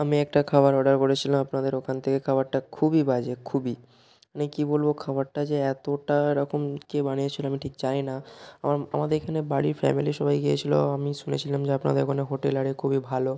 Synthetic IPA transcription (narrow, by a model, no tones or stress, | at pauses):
amiɛk̚ʈakʰabaɾɔɖaɾkoɽet͡ɕʰilamapnad̪eɾokʰant̪ʰekekʰabaɾʈakʰubibad͡ʑekʰubi | amikibolbokʰabaɾʈad͡ʑeɛt̪oʈaɾɔkomkebanijet͡ɕʰiloamiʈʰikt͡ɕainaamaɾa̰mad̪eɾekʰanebaɽiɾfɛ̰miliʃɔbajɡijḛt͡ɕʰilo̰amiʃunet͡ɕʰilamd͡ʑeapna̰d̪eɾokʰoneɦoʈelaɽikʰubibʱalo